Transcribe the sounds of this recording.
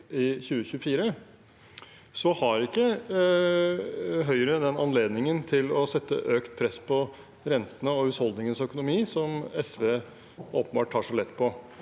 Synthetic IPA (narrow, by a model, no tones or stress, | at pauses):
ɪçʉːəçʉəfiːɾə | sɔhɑɾɪkːə | ɦœʏəɾəd̪ɛnɑnleːd̪nɪŋənt̪ʰɪlɔsɛt̪ːə̰ʔøːkt̪̚pʰɾɛsːpʰɔ | ɾɛnt̪ənəɔhʉːshɔld̪nɪŋənsœkʊnʊmiːsɔmɛsʋeː | oːpəbɑːʈʰːɑːʂɔlɛt̪ːpʰɔ